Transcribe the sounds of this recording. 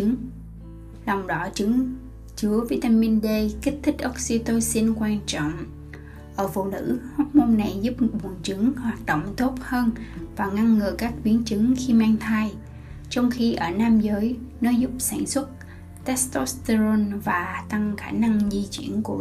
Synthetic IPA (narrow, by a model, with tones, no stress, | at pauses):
ŋ | lɔ˨˩wŋ͡mɗɔ˨˦t͡ɕɨ˨˦ŋ | t͡ɕɨ˨˦əvi˧t̪aː˧mi˧nɗe˧ki˦˥k̚t̪ʰï˦˥k̟̚ʔo˦˥k̚si˧t̪o˧si˧nkwaː˧nt͡ɕɔ̰˧˨wŋ͡m | ʔəː˧˩fṵ˧˨nɨ̰˧˥ha˦˥t̚mo˧nna˨˩jzu˦˥p̚ɓu˨˩ənt͡ɕɨ˨˦ŋhwaː˨˩t̚ɗo̰˧˨wŋ͡mt̪o˦˥t̚həː˧nvaː˨˩ŋa˧ŋːɨː˨˩kaː˦˥k̚ɓi˨˦ənt͡ɕɨ˨˦ŋxi˧maː˧ŋt̪ʰa˧j | t͡ɕɔ˧wŋ͡mxi˧ʔəː˧˩naː˧mzəː˨˦jnɔ˨˦zu˦˥p̚saː˧˩nswə˦˥t̚ | t̪ɛ˦˥st̪o˦˥st̪ə˧zo˧nvaː˨˩t̪a˧ŋxaː˧˩na˧ŋzi˧t͡ɕwḭ˧˩ənku˧˩ə